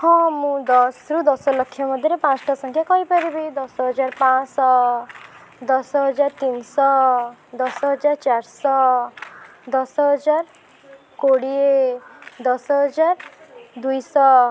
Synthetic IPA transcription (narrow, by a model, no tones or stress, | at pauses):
hɔ̃mũd̪ɔsɾud̪ɔsɔlɔkʰːjɔmɔd̪ʱjiɾepãt͡ʃɔ̥ʈasɔŋkʰjakɔɦipaɾibejd̪ɔsɔɦɔd͡ʒaɾpãsɔ | d̪ɔsɔɦɔd͡ʒaɾt̪insɔd̪ɔsɔɦɔd͡ʒaɾt͡ʃaɾsɔ | d̪ɔsɔɦɦɔd͡ʒaɾ | koɽie | d̪ɔsɔɦɔd͡ʒaɾd̪ujsɔ